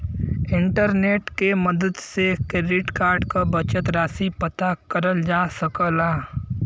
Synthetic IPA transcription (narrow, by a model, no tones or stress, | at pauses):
ɪ̃ɳʈəɾneːʈkeməd̪əd̪sekeɖɪʈkaːɾɖkabət͡ʃət̪ɾaːsipət̪akəɾəld͡ʒaːsəkəlaː